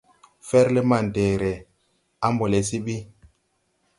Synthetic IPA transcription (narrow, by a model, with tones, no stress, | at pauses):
fɛ˦ɾle˦ma˨n˨dɛː˨ɾɛ˨ | a˦mbo˨lɛ˨si˦ɓi˦